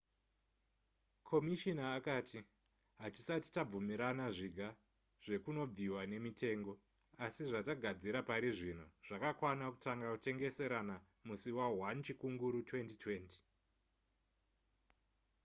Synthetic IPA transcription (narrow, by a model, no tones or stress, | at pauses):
kʰo̞miʃinaːkaːti | ɦati̥sati̥tab͡vumiɾanaʐiɡʱa | ʐ̥e̞kuno̞b͡viwane̞mitʰe̞ːŋɡo̞ | asiʐataɡʱad͡ziɾapaɾiʐino̞ʐ̥akakwanaku̥taŋɡakute̞ŋɡe̞se̞ɾana | musiwawant͡ʃikuŋɡuɾutwe̞ntitwe̞ːnti̥